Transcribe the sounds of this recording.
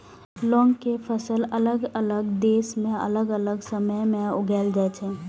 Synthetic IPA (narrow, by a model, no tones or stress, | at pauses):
lɔːŋɡkepʰəsələləɡələɡd̪eːsmẽə̰ləɡələɡsəməjmẽʊɡʱɛːld͡ʒaɛt͡ʃʰɛː